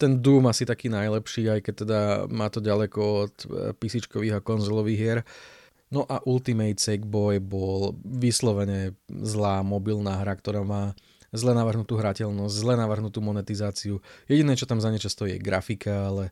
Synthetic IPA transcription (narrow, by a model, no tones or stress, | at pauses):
t̪ɛnd̪uːmasit̪akiːnajlɛpʃiːajkɛc̚t̪ːɛd̪amaːt̪ɔɟalɛkɔɔt̪pisit͡ʃkɔʋiːɦakɔnzɔlɔʋiːɣɪɛɾ | nɔʔaʔulˠt̪imɛjt̪t͡sɛɡbɔjbɔlʋislɔʋɛɲɛzlaːmɔbilnaːɦɾakt̪ɔɾaːmaː | zlɛnaʋrɦnut̪uːɦɾacɛlnɔzɟzlɛnaʋrɦnut̪uːmɔnɛt̪izaːt͡siujɛɟinɛːt͡ʃɔt̪amzaɲɛt͡ʃast̪ɔiɛ̰ɡɾa̰fikʰaalɛ